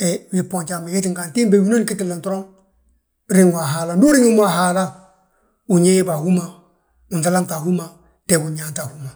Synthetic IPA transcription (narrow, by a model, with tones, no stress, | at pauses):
ɛ˨wi˨po˨ɲt͡ʃa˨mi˨ke˦ti˦ŋka˨nti˦mbe˨wi˦no˦ni˦ki˦ti˨la˨ntɔ˦ɾo˦ŋ | ɾi˦ŋwa˨ɦa˨la˨ndu˦ɾi˦ŋi˦mwa˨ɦa˨la˦ | u˨ɲe˦jba˨hu˦ma˨ | u˨nta˦la˦ŋta˨hu˦ma˨ | tɛ˨ɡu˨ɲa˨nta˨hu˦ma˨